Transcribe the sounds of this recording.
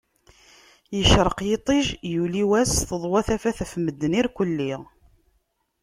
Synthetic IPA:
jəʃɾˤəqjet̪ˤiʒjuliwæsθəðˤwæθæfæθæfməd̪ːəniɾkʷəlːiʁ

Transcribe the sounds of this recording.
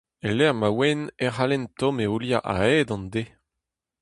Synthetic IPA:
elɛʁmawɛneʁalɛnt̪ɔ̃meuljaʔa̰ɛːd̪ɑ̃nd̪e

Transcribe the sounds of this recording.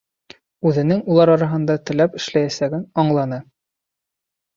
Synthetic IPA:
ʉðɘ̆nɘŋulˠɑɾɑɾɑɦɤ̆nd̪ɑt̪ɘ̆læpɘ̆ʃlæjæsæɡɘnɑɴlˠɑnɤ

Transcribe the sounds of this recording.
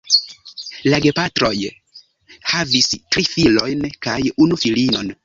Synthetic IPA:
laɡepatɾo̞j | havistɾifilo̞jnkajunufilino̞n

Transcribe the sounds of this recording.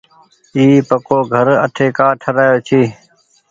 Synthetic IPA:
iːpəkoːɡʱəɾə̰ʈʰeːkaːʈʰəɾaːjoːt͡ʃʰiː

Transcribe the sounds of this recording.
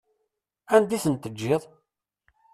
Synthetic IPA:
ænd̪iθənt̪əd͡ʒːɪðˤ

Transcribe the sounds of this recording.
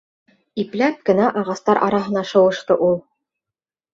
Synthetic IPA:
iplæp̚kɘ̆næʔɑʁɑst̪ɑɾʔɑɾɑɦɤ̆nɑʃɤ̆wɤ̆ʃt̪ɤʔulˠ

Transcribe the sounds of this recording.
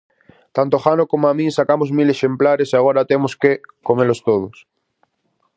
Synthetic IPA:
t̪ant̪oxanokomoamĩnsakamozmileʃemplaɾeseaɣ̞oɾat̪emoskekomelost̪oð̞os

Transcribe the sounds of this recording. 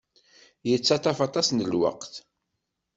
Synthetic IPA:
jət͡sːɑt̪ɑfɑt̪ˤɑsnəlwə̰qθ

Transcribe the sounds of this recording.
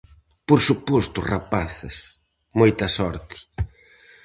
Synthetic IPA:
poɾsupost̪ʊra̰paθɐ̰s | mojt̪ɐsɔɾt̪ɪ̥

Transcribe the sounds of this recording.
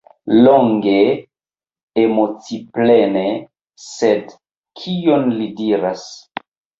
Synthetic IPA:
loŋɡe | emot͡siplene | sed | kʰionlidiɾas

